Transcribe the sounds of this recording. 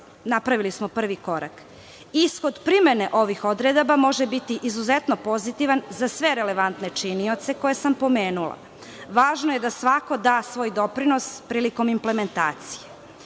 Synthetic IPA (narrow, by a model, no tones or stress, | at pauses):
napɾaʋilismo̞pr̩ʋiko̞ɾa̰k | isxo̞d̪pɾime̞ne̞ʔo̞ʋixo̞d̪ɾed̪abamo̞ʒebit̪iʔizuzet̪no̞po̞zit̪iʋanzasʋe̞ɾe̞le̞ʋant̪ne̞t͡ʃinio̞t̪se̞ko̞jesampo̞me̞ːnulˠa̰ | ʋaːʒnoje̞d̪asʋako̞d̪aːsʋo̞ːjd̪o̞pɾino̞spɾiːliko̞mimple̞me̞nt̪a̰ːt̪si̥je